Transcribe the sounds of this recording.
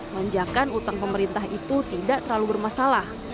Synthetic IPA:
laɲd͡ʒakanut̪aŋpəməɾint̪aɦit̪ut̪idaʔt̪ərlalubərmasalah

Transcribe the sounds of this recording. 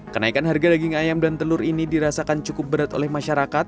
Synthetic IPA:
kənaikanɦarɡadaɡɪŋajamdant̪əlʊɾinidiɾasakant͡ʃukʊp̚bəɾat̪o̰lɛhmaʃaɾakat̪̚

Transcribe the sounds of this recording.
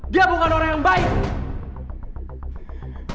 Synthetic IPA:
diabokanoɾaŋjaŋbaik

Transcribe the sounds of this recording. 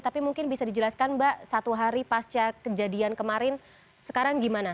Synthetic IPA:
t̪apimuŋkɪnbisadid͡ʒəlaskanbaʔsat̪uɦaɾipast͡ʃakəd͡ʒadiankəmaɾɪn | sə̥kaɾaŋɡimana

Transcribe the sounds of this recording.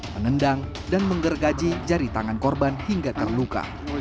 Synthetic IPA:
məŋəndaŋ | danməŋɡərɡad͡ʒid͡ʒaɾit̪aŋankɔrbanhiŋɡat̪ərluka̰

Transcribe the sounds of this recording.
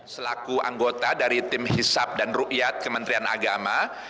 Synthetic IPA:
səlakua̰ŋɡot̪adaɾit̪ɪmhisap̚danroʔjat̪̚kəmənt̪ɾiana̰ɡama

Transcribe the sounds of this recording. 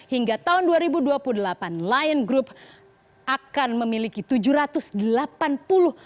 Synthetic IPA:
hiŋɡat̪aɦʊnduaɾibuduapuludəlapanlajnɡɾup̚ | akanməmilikit̪ud͡ʒuɾat̪ʊsdəlapanpulʊh

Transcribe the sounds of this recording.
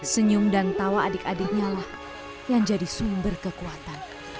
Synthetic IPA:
səɲʊmdant̪awaːdɪkadɪk̚ɲalah | jaŋd͡ʒadisumbərkəkuat̪an

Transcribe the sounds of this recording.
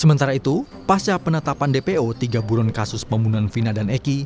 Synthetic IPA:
səmənt̪aɾait̪u | past͡ʃapənət̪apandepeot̪iɡabuɾɔnkasʊspəmbunuanfinadaneki

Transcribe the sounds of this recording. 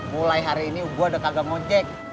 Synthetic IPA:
mulajɦaɾiːniuɡuadakaɡaŋɔɲd͡ʒɛk̚

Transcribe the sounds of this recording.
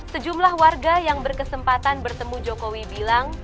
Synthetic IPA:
səd͡ʒumlahwarɡajaŋbərkəsəmpat̪anbərt̪əmud͡ʒokowibilaŋ

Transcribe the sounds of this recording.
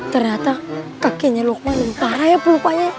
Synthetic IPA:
t̪ərɲat̪akakeɲalok̚maləmt̪aɾajapulupaja

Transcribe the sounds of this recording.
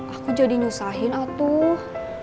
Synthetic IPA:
ʔakud͡ʒadiɲusaɦɪnat̪uh

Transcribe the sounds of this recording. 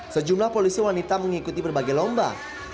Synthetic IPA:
səd͡ʒumlahpolisiwanit̪aməŋikut̪ipərbaɡajlɔmba̰

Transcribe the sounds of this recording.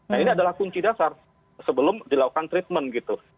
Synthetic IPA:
nainiadalahkuɲt͡ʃidasar | səbəlʊmdilakukant̪ɾit̪̚mənɡit̪u

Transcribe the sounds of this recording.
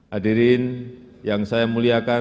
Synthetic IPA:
hadiɾɪnjaŋsajamuliaka

